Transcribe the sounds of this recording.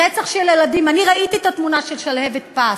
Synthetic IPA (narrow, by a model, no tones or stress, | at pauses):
et͡saχʃeleladimaniʁaʔit̪iet̪at̪munaʃelʃalhevet̪̚pa